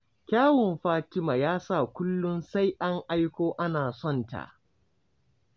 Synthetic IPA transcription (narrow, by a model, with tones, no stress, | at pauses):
kʲaː˦wɪ˨mɸaː˦tɪ˦ma˨jaː˦sa˦˨kʷʊ˦lːʊ˦nsa˦jʔa˦ŋʔa˦jkʷoː˦ʔa˦naː˨sɔ˦˨nta̰˨ʔ